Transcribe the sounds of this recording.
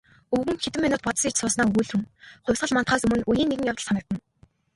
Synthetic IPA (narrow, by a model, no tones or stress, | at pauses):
ɵɣɘ̆ŋxet̪ɘ̆mːinʊːt̪̚pɔt̪sikt͡ɕsʊːsnaːujɮxŭmχʊ̟wʲsʁə̆ɮmant̪χaːsɵmɘ̆nujiːnːeɣɘ̆ŋjawt̪ə̆ɮsanə̆k̚t̪ə̆n